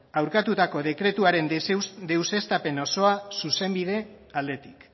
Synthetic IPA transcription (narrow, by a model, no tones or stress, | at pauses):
awɾkat̪ut̪ako̞ðe̞kɾe̞t̪uaɾe̞nd̪ewse̞st̪ape̞no̞so̞asuse̞mbið̞e̞ald̪e̞t̪i̥k